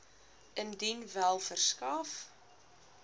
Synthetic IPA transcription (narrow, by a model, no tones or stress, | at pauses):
ʔəndinvælˠfərskɑːf